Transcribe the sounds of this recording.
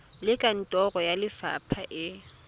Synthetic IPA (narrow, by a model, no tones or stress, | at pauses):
lɪkʼan̩tʼɔrɔjalɪfa̰pʰaʔɪ